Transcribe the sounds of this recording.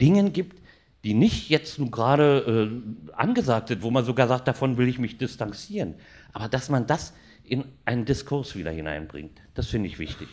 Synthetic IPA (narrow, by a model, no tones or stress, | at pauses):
d̥ɪŋənɡiːpt | d̥iːnɪçtjɛt͡stnuːɐɡʁaːɾəʔɛːʔa̰nɡəzaːk̚tz̥ɪntv̥oːmanzoɡaːɐzaːk̚t̚d̥afɔnvɪlɪçmɪçd̥ɪstant͡siːʁən | ʔaːbɐdasmandas | ʔɪnʔaɪnəndɪskʰʊɐsv̥iːdɐ̰hɪna̰ɪnbʁɪ̰ŋt | d̥asfɪndəɪçv̥ɪ̰çtɪç